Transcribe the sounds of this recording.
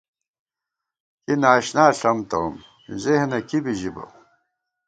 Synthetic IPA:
kinaːɕnaːɬɐmt̪ɐ̰wm | zehnɐkibiʑibɐ̰

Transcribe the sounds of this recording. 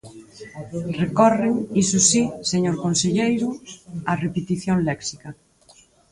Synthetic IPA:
rekɔreŋisusiseɲoɾkonseʎejɾʊarepet̪iθjoŋlɛksika

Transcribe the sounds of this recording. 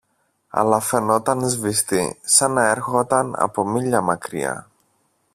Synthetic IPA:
ɐ̰lɐfe̞no̞t̪ɐnzvist̪ḭsɐnɐe̞ɾxot̪ɐnɐ̰po̞miʎɐmɐkɾḭɐ̰

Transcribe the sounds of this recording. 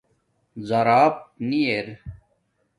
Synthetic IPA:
zɐɾaːp̚nieɾ

